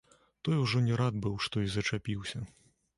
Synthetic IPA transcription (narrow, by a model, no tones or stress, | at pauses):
t̪ɔjuʐɔnʲɛɾad̪̚bɨwʂt̪ɔizɐt͡ʂapʲiwsʲɐ